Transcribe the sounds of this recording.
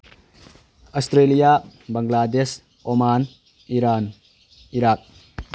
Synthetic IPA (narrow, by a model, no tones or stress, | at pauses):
ɔstɾelijabaŋɡlades | ɔman | iɾan | iɾak̚